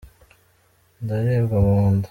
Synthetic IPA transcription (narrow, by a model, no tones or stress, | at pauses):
ndajeɾɡaβoːndḁ